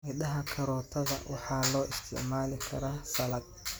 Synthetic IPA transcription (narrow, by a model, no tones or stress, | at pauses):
ʔɪɗɐɦɐkʰɐɾɔːt̪ʰɐðɐ̰wʔɑħɑːlɔːʔɪst̪ʰɪ̰ʕmaːlɪkʰɐɾaːsɐlɐd̚